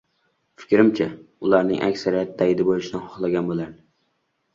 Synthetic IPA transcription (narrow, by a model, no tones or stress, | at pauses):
fɪ̥kʲɾɪmt͡ʃʰaʊlˠaɾnɪ̰ŋʔa̰kʲsaɾijat̪̚d̪ajd̪ɪbolˠɪʃɪd̪anhɒχlˠaɡʲanbolˠan